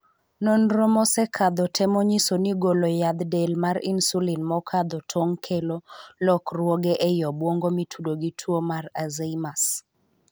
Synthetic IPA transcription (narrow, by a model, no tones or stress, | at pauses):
nonɾomɔsɛkʰad̪ɔtʰɛmɔɲisoniɡolojad̪delmaɾḭnsulinmɔkʰad̪ɔtʰɔŋkʰelolɔkrwɔɡɛʔɛjɔbwoŋɡomitʰudoɡitʰwomarazeimas